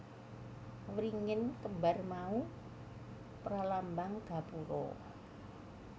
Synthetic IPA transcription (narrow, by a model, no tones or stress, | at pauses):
wɾiŋənkəmbarmau | pɾalambaŋɡ̥a̤puɾɔ̰